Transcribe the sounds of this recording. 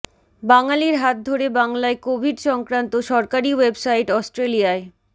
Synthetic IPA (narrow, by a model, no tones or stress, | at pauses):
baŋaliɾɦat̪̚d̪ʱoɾebaŋlaekobʱiɖʃɔŋkɾant̪oʃɔɾkaɾiwebsaiʈɔsʈɾelijae